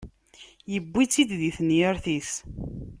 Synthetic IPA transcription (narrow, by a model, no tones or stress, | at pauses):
jəbːit͡sːid̪ðiθnjəɾθis